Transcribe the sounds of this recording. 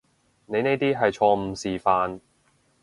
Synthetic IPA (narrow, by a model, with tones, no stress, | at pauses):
ne˨˧jne˥jt̪iː˥ɦɐ˨jt͡ʃʰɔː˧m̩˨˩siː˨faː˧n